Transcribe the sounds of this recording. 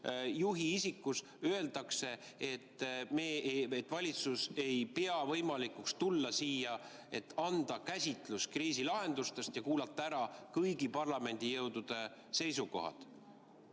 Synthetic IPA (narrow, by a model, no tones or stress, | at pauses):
juɦiisikˑːus | ø̞e̞ld̪ɑkse̞ | et̪ːmeːet̪ːvɑlʲit̪suse̞jpeɑvɤjmɑlikukst̪ulːɑsiːjɑ | e̞t̪ːˑɑnd̪̥ɑkæsʲit̪ˑluskriːsilɑɦe̞nd̪ust̪e̞st̪jɑkuːlɑt̪ˑːɑæɾɑkɤjɡipɑrlɑme̞nd̪̥ʲijɤwd̪̥ud̪̥e̞ | se̞jsuko̞̰ɦɑ̰d̪̥